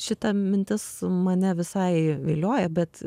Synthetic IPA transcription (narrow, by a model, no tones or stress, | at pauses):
ʃʲɪt̪ɐmʲɪnʲt̪ʲɪsmɐnʲɛʋʲɪsɐɪʋʲeːlʲoːjɛbʲɛt̪